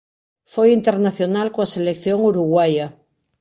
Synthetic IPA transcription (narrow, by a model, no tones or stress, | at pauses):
fojint̪eɾnaθjonalkoaselekθjoŋuɾuɣwaja